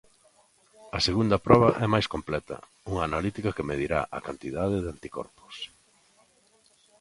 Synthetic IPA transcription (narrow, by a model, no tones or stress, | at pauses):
ɐseɣund̪ɐpɾɔβɐʔɛmajskomplɛt̪ɐ̰ | uŋaːnalit̪ikɐkemeðiɾa̰ʔakant̪iðaðɪðɪant̪ikɔ̰ɾpʊ̥s